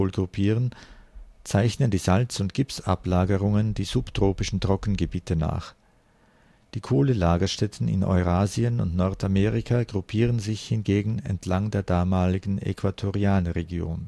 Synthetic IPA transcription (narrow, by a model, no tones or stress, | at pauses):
oːlɡʁupʰiːʁən | t͡saɪçnəndiːzalt͡sʊntɡ̥ɪpsa̰plaːɡəʁʊŋəndiːzuptʁ̥oːpɪʃn̩tʁ̥ɔkn̩ɡəbiːtʰəna̰ːχ | d̥iːkʰoːlənlaːɡɐʃtɛtʰn̩ɪ̰nʔɔ̰ʏʁaːziənʊ̰ntnɔɐtameːʁɪkʰaɡʁupʰiːʁ̞ənzɪçhɪnɡeːɡŋ̩ɛ̰ntʰlaŋdeːɐdaːmaːlɪɡŋ̩ɛ̰kʰv̥atʰoʁiaːnʁeɡjo̰ːn